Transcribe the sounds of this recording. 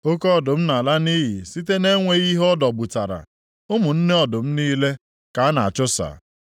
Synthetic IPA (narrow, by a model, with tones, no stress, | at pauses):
o˦kɔ˦˨dʊ˨m̩˦na˨la˦ni˦ɦi˨si˦te˦ne˦ŋʷe˦ɣi˦ɦɔ˦dɔ˨bʊ˨ta˨ɾa̰˨ | ʊ˦mʊ˨n̩˦ne˦ɔ˨dʊ˨m̩˦niː˦le˦ | ka˨a˦na˨a̰˨t͡ʃʊ˦sa̰˨